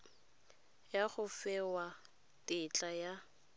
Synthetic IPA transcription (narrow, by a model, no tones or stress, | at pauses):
jaχʊfɛwa | tʼɪt͡ɬʼaja